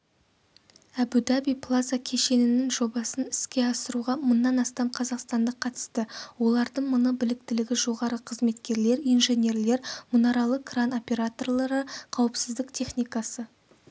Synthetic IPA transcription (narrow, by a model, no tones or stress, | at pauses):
æbud̪abijplˠazakʲʰe̞ʃe̞nɪnɪŋʒo̞bɑsənɪskʲe̞ɑsəɾuʁɑmʊnːɑnɑst̪ɑmqʰɑzɑqst̪ɑnd̪əqʰɑt̪ə̥st̪əwo̞lˠɑɾd̪əɴmʊnəbɪlɪkt̪ɪlɪɡʲɪʒo̞ʁɑɾəqʰəzme̞t̪kʲe̞ɾle̞ɾijnʒe̞nʲe̞ɾle̞ɾmʊnɑɾɑlˠəqkrano̞pʲe̞ɾat̪o̞rlˠɑɾəqʰɑwəpsɪzd̪ɪkt̪ʰe̞χnijkɑsə